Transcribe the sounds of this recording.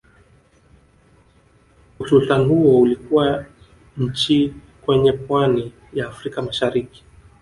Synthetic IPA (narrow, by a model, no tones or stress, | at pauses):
usultanihuɔulikuwa | ɲ̩t͡ʃi | kwɛɲɛpwani | jaːfɾikamaʃaɾiki̥